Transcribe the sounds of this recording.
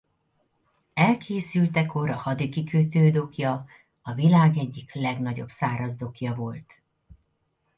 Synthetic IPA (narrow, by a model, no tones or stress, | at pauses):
ɛlkʰeːsylt̪ɛko̞ɾɒhɒd̪ikikøt̪øːd̪o̞kjɒ | ɒvilaːɡɛɟːiklɛɡnɒɟo̞̰bsaːɾɒzd̪o̞kjɒvo̞lt̪